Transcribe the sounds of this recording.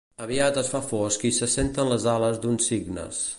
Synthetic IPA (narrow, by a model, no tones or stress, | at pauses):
əβiat̪əsfafɔskisəsent̪ənləzaləzd̪unsiɡnə̰s